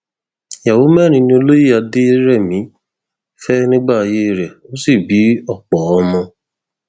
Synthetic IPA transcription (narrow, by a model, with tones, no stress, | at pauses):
ja˨wo˨˦mɛ˦˨ɾ̃ĩ˧nĩ˧o˧lo˦ji˦˨a˧de˦ɾɛ˦˨mĩ˨˦ | fɛ˦nĩ˦ɡ͡ba˦˨˧je˦˨ɾɛ˨o˦si˦˨bi˨˦ɔ˦˨k͡pɔː˨˧mɔ̃˧